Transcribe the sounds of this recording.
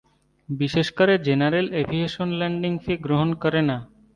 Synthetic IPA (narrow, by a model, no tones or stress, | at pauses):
biʃeʃkɔɾed͡ʑenaɾelebʱieʃonlɛɳɖiŋfeɡɾoɦonkɔɾena